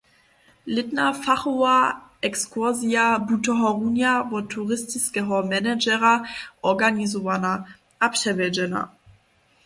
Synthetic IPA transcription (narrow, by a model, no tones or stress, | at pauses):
lɪtnafaχuaʔɛkskʰuɐziabutɔɦɔʁunjavɔtʰːuʁɪstiskɛɦɔmɛnɛd͡ʒɛʁaʔɔɡanizɔvana | ʔapʃɛvɛd͡ʒɛna̰